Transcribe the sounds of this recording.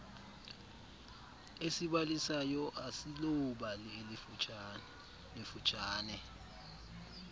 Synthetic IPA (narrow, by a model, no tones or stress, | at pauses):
esiɓalisajɔʔasilɔuɓalieli | lifu̥t͡ʃʼaːnɛ